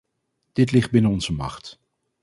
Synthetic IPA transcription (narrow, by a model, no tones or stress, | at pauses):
d̥ɪtlɪχd̚bɪnəɔnzəmɑ̰χt